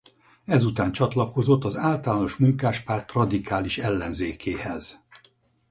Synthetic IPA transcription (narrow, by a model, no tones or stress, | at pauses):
ɛzut̪aːnt͡ʃɒt̪lɒko̞zo̞t̪ːɒzaːlt̪ɒlaːno̞ʃmuŋkaːʃpaːrt̪rɒd̪ikʰaːliʃɛlːɛnzeːkʰeːhɛz̥